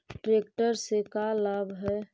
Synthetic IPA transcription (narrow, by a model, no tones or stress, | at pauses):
ʈɾeːkʈəɾsekalaːbʱɦɛ